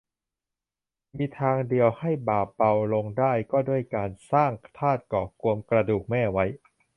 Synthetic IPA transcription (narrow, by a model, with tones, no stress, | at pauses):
miː˧t̪ʰaː˧ŋdi˧əwha˥˩jbaː˨˩p̚ba˧wlo˧ŋdaː˥˩jkɔː˥˩du˥˩əjkaː˧nsaː˥˩ŋt̪ʰaː˥˩t̪̚kɔː˨˩ku˧əmkɾa˧duː˨˩k̚mɛː˥˩wa˦˥j